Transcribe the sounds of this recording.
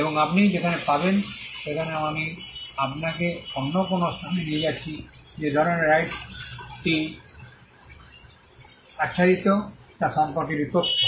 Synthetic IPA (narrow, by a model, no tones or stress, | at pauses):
eboŋapnid͡ʑekʰanepabenʃekʰaneaamiapnakeɔnːokonosʰamenied͡ʒat͡ɕʰi | d͡ʑed̪ʱɔɾoneɾajʈʈi | aʃʰaɾit̪otasɔmpoɾkiɾipokt̪ʰɔ